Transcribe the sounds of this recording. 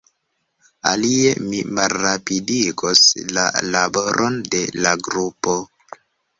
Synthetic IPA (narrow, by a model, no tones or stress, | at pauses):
a̰liemimalːapidikosla̰labo̞ɾʔo̞nde̞laɡɾupo̞